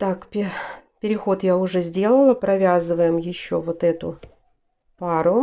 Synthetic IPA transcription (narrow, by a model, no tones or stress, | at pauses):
t̪akpʲpʲɪɾʲɪxo̞t̪jaʊʐɛzʲdʲe̞lˠəlˠəpɾɐvʲazɨvəjɪmjɪɕːovo̞t̪ɛt̪ʊ | paɾʊ